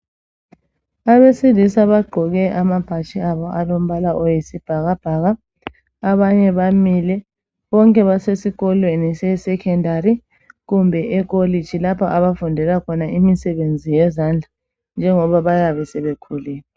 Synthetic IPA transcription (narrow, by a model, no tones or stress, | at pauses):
aβesilisaβaɡ͡ǃʱɔɣɛʔamapʰat͡ʃʼʰiaβɔalom̩βalaʔojisib̥ʱaɣab̥ʱaɣaː | βaɲɛβamilɛ | βɔŋkʼɛβasesiɣɔlwenisɛsɛkʰɛndaɾi | ɣumbʱɛʔɛk̬ʼoli̥ʒ̥ʱilapʰaʔaβafundʱɛlakʰɔnaʔimisɛβend͡zʱijɛzand͡ɮʱa | nd͡ʒʱɛŋɔβaβajaβɛsɛβekʰuliːlɛ